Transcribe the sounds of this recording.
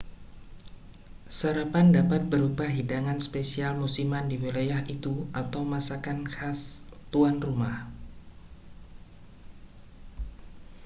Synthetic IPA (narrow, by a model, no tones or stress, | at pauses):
saɾapandapat̪̚bəɾubahɦidaŋanspesialmusimandiwilajaɦʔit̪uat̪awmasakankast̪uanrumah